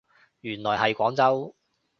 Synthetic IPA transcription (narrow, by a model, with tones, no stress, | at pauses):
jyː˨˩nlɔː˨˩jɦɐ˨jkʷɔː˨˥ŋt͡sɐ˥w